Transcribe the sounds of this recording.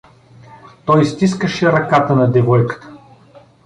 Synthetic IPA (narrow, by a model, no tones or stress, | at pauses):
t̪ɔjst̪iskəʃɛɾɐkat̪ənɐd̪ɛvɔjkə̥t̪ə̥